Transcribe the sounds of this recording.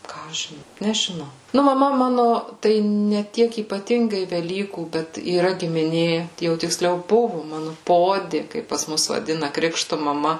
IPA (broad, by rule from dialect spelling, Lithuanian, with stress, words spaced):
ˈkɑː ɐʃ ʒʲɪn nʲɛʒʲɪˈnɐʊ ˈnʊ mɐˈmɐ ˈmɑːnʊ ˈtɐɪ nʲɛ ˈtʲiɛk iːpɐˈtʲɪŋɡɐɪ ʋʲɛˈlʲiːkuː ˈbʲɛt iːˈrɐ ɡʲɪmʲɪˈnʲeː jɛʊ tʲɪkˈsʲlʲɛʊ ˈbʊʋʊ ˈmɑːnʊ ˈpoːdʲɪ ˈkɐɪp pɐs ˈmʊs ʋɐˈdʲɪnɐ ˈkrʲɪkʃtʊ mɐˈmɐ